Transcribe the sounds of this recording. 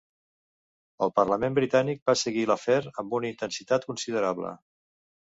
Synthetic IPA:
əlˠpərləmembɾit̪anik̚basəɣiləfɛɾəmbunəint̪ənsit̪at̪kunsiðəɾaβlə̰

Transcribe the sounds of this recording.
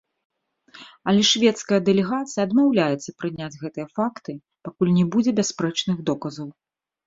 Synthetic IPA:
ɐlʲɛʂvʲɛt̪skɐjɐd̪ɛlʲɛɣat̪sɨjɐːd̪mawlʲajɛt̪sːɐpɾɨnʲad͡zʲɣɛt̪ɨjɐfakt̪ɨ | pakulʲnʲɛbud͡zʲɛbʲaspɾɛt͡ʂnɨɣd̪ɔkɐzɐw

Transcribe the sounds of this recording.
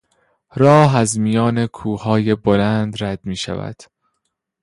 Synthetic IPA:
ɾɒːɦæzmijɒːne̞kʰuːhɒːje̞bolænd̪ræd̪̥miːʃæ̰væ̰d̪̥

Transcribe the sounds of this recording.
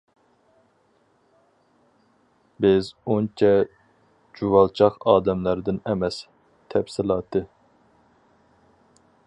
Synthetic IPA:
bɪzont͡ʃʰɛ | d͡ʒuwɑlˠt͡ʃʰɑqɑːd̪ɛmlæɾd̪ɪnɛmɛs | t̪ʰɛpsɪlˠɑːt̪ʰɨ

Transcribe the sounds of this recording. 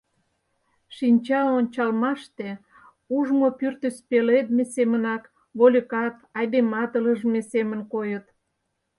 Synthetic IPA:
ʃinʲt͡ɕɑonʲt͡ɕɑlmɑʃt̪e | uʒmopyrt̪əspeled̪mesemənɑk | βolʲəkɑt̪ɑjd̪emɑt̪ələʒmesemənkojət̪

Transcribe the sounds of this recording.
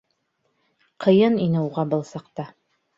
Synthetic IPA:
qʰɤ̆jɤninɘuʁɑbɤ̆lˠsɑqt̪ɑ

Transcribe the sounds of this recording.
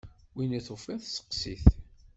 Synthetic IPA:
winiθofiθsə̥qːsiθ

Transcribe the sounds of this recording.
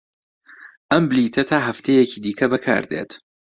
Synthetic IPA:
ʔɐmbɨliːt̪ʰɐt̪ʰaːɦɐft̪ʰejeciːd̪iːkʰɐbɐkʰa̰ːɾd̪ḛːt̪

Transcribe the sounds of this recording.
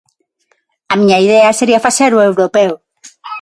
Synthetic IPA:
amiɲaiðeaseɾiafaseɾuewɾopew

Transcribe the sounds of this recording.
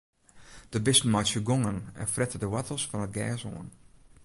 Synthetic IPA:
d̥əbɪsn̩majsjəɡoŋənɛ̰nfrɛtədəwatʰəlˠsfɔnət̚ɡɛːso̰ən

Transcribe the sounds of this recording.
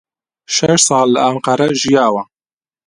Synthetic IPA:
ʃɛʃsˤɑːlːɨamqɑɾɛʒijaːwɐ

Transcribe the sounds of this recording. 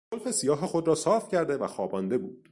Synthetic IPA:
zolfe̞sijɒːɦexo̞d̪ɾɒːsɒːfcʰæɾd̪e̞væxɒːbɒːnd̪e̞buːd̪̥

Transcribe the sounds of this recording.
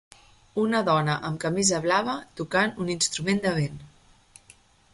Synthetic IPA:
unəðɔnəʔəmkəmizəβlaβət̪ukanuninst̪ɾumend̪əβ̞en

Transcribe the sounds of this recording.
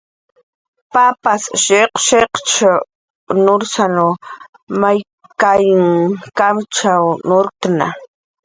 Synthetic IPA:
papasʃeqʃeqt͡ʃa | nʊɾsano | maj | kajɪŋkamt͡ʃawnoɾkna̰

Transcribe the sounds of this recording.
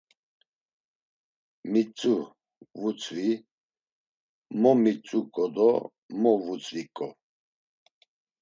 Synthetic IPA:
mit͡sʼu | vut͡sʼvi | mɔmit͡sʼukʼɔd̪ɔ̰ | mɔvut͡sʼvikʼɔ

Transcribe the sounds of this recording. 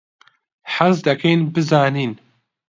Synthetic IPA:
ħazd̪ɐkenbɨzaːniːn

